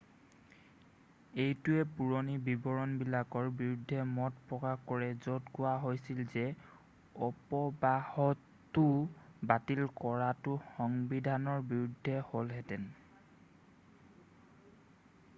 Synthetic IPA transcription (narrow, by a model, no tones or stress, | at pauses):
ejtuɛpuɹonibibɔɹɔnbilakɔɹbiɹudʱːɛmɔtpɹɔkaxkɔɹɛzotkʊwaɦojsilzɛ | ɔpɔbahɔt | ʊbatilkɔɹatʊxɔŋbidʱanɔɹbiɹudʱːɛholɦɛtɛn